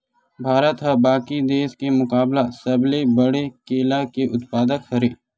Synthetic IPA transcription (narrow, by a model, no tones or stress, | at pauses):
bʱaːɾət̪ɦabaːkid̪eːskemʊkaːblasɐblebɐɽekeːlakeʔʊt̪paːd̪əkhɐɾeː